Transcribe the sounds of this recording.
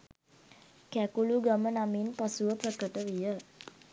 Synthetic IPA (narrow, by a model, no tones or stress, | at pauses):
kækuluɡamənaminpasuʋəprəkəʈəʋijə